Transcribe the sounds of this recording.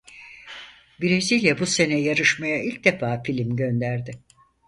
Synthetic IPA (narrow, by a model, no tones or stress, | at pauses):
biɾeziːlʲɛbuse̞nɛjaɾɯʃmajailʲc̚d̪e̞faːfilʲimɟø̞nd̪æɾd̪ɪ